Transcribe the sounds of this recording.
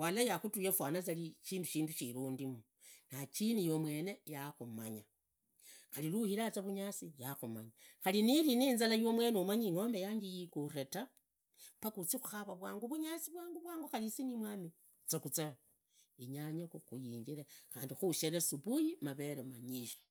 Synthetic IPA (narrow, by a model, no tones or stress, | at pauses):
walajaxutujefwaːnat͡saliʃiːnduʃiːnduʃiɾuːndimu | nat͡ʃinijomwe̞ːne̞jaxumaɲa | xaliluhilat͡saβuɲat͡sijaxuma̰ɲaxaliniliniːnzalajomwe̞ːneumaɲiŋo̞ːmbejaːɲɡijikuɾeta | pakut͡sixuxaβaβwaːŋɡuβuɲat͡siβwaːŋɡuβwaːŋɡuxalisinimwaːmi | t͡sakut͡sa | iɲaɲakuxujiːɲɟiɾexaːndixuʃeɾesuβujimaβe̞ɾemaɲiʃḁ